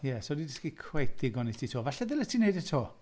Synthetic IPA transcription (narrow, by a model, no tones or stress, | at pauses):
jɛsɔdidɪskikʰwejθɪɡɔnitʰitʰoːvaɬɛðɪlətʰinejdətʰoː